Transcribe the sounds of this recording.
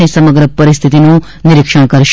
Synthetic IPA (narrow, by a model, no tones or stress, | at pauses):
esəməɡɾəpəɾɪst̪ʰit̪inũ | nɪɾɪkʃəɽ̃kəɾʃ